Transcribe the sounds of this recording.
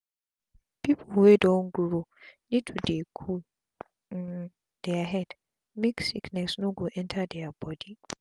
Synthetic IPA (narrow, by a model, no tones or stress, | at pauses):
pipʰulwedɔnɡuɾonitʰudekʰu | d̥ɛaɦɛd | miksiknɛsnoɡoʔɛ̃ntʰadɛabɔdi